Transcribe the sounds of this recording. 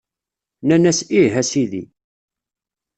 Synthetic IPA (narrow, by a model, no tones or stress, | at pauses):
nænæsiɦæsiðḭ